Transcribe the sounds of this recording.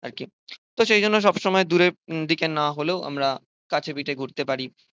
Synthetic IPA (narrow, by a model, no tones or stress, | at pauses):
a̰ɾki | t̪oʃejd͡ʑʱonːoʃ̬ɔbʃɔmɔed̪uɾed̪ikenaɦoleoʔa̰mɾa | kat͡ɕʰebiʈeɡʱuɾt̪epaɾi